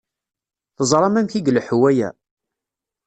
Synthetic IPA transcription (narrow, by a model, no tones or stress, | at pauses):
θəzˤɾˤɑmæmçiɡlħwæjæ̰